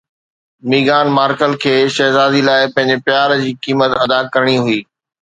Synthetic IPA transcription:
miːɡaːnmaːɾkəlkʰeːʃɐɦzaːzilaːɪpɐ̃ɦɪ̃ɲd͡ʑepɪjaːɾd͡ʑiːkiːmət̪ɐd̪akɐɾəɽ̃iɦʊiː

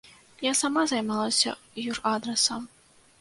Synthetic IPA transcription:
jasamazajmalˠɐsʲɐ̰ | juʐad̪ɾɛsɐm

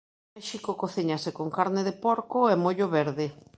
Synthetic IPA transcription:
ajʃikokoθiɲasekoŋkaɾneðepoɾkoɛmoʎoβɛɾðɪ

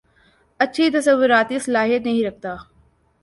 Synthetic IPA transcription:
ətːʃʰit̪ɐsəʋːʊɾaːt̪iːsɐlaːɦiet̪nɐɦĩɾɐk̚ʰt̪aː

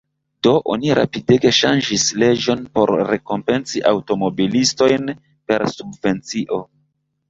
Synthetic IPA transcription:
d̥o̞ʔo̞̰niɾa̰pideɡe̞ʃand͡ʒisle̞d͡ʒo̞npo̞̰ɾːe̞ko̞mpe̞nsiʔawto̞mo̞bilisto̞jn | pe̞ɾsubve̞nt͡siʔo̞

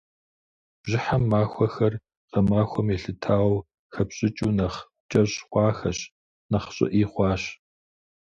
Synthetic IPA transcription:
b̥ʒɪħamːaːxʷɔxɐr | qɐmaːxʷɔmɛɬɨtʰaːww | xɐpɕʼɪt͡ʃʼuːnɐχ | t͡ʃʼɐɕχʷɑːxɐɕ | nɐχɕʼɪ̰ʔiːχʷɑːɕ

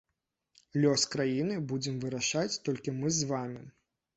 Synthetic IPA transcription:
lʲɔskɾajinɨbud͡zʲɛmvɨɾaʂat͡sʲt̪ɔlʲkʲimɨzvamʲi

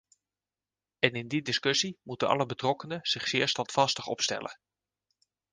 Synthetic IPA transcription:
ɛnɪndidɪskɵsimutənɑ̰ləbətrɔkənəz̥ɪχsɪːɹstɑntfɑstəχɔ̰pstɛ̰lʔə̰

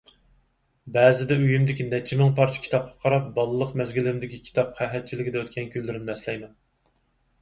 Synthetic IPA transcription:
bɛːzɪd̪ɛyjymd̪ɪkʲinɛt͡ʃʰɪmɪŋpɑɾt͡ʃʰɪ̥kʲʰi̥t̪ʰɑp̚qʰɑ̥qʰɑɾɑp̚bɑlˠɨlˠːəqmɛzɡʲilɪɾɪmd̪ɪkʲikʲʰi̥t̪ʰɑpχæɦɛt̪̚t͡ʃʰilɪkʲid̪ɛøt̪kʲɛnkʲʰylːɪɾɪmnɛslɛjmɛn

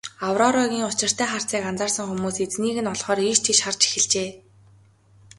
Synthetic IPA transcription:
awrɔɾɔɣʲiːŋʊt͡ɕɪ̆r̥t̪ʰæːχar̥t͡siːkant͡saːrsə̆ŋxumuːset͡sniːɣɘ̆nɔɮχɔːɾiʃt̪ʰiʃχart͡ɕe̥xɘ̆ɮt͡ɕeː

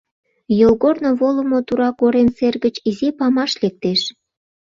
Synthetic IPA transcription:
jolɣornoβolə̆mot̪uɾɑkoɾenserɣət͡ɕizipɑmɑʃlek̚t̪eʃ

